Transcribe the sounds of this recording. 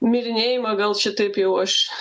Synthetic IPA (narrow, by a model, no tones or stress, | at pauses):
mʲɪɾʲɪnʲejɪmɐɡɐlˠt͡ʃʲɪt̪ɐpjɛʊɐʃ